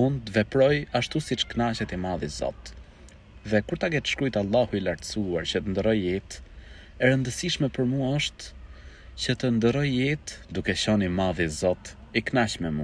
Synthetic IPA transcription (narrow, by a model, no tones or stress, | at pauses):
und̪vɛpɾɔjaʃt̪usit͡ʃknaʃɛt̪imaðizɔ̰t̪ | ðɛkuɾt̪akɛt̪ə̥ʃkɾujt̪alˠːahuilaɾt̪əsuaɾt͡ɕət̪ənd̪əɾɔjɛt̪ | ɛɾənd̪əsiʃmɛpəɾmuɔʃt̪ | cət̪ənd̪əɾɔjɛt̪d̪ukɛɕɔnimaðizɔt̪ | iknaʃmɛmu